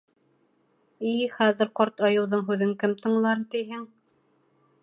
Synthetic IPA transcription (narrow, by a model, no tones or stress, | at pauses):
iχæðɘ̆ɾqoɾt̪ɑjɤ̆wðɤɴɦʉðɘŋkɘmt̪ɤ̆ɴlˠɑɾt̪iɦɘŋ